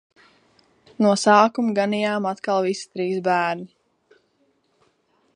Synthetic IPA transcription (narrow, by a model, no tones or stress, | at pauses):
nuɔsaːkumɡanijaːmat̪kalˠvisi̥t̪ɾiːzbæːɾnʲi